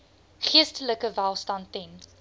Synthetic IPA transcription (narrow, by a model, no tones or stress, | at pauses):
χiəstələkəvælˠstɐntɛn